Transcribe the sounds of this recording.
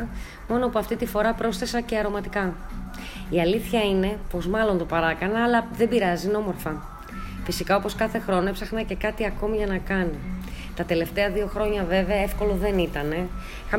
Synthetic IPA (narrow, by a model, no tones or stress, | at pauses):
mo̞nopuɐft̪it̪ifo̞ɾɐpɾo̞sθe̞sɐce̞ɐɾo̞mɐt̪ikɐ | iɐliθçɐine̞po̞zmɐlo̞nt̪o̞pɐɾɐkɐnɐːlɐðe̞biɾɐzino̞mo̞ɾfɐ | fisikɐo̞po̞skɐθe̞xɾo̞noepsɐxnɐce̞kɐt̪iɐko̞miʝɐnɐkɐni | t̪ɐt̪e̞le̞ft̪e̞ɐðio̞xɾo̞ɲɐve̞ve̞ɐe̞fko̞lo̞ðe̞nit̪ɐne̞ | ixɐ